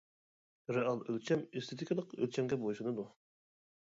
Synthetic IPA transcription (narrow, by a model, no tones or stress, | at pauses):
ɾeɑlˠølt͡ʃʰɛmest̪ʰet̪ʰikʰlˠəqø̰lt͡ʃʰɛmɡʲɛboʃɨnɨd̪u